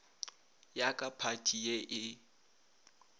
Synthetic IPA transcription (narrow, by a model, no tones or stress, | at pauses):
jakʼapʰatʼʰijeʔɪ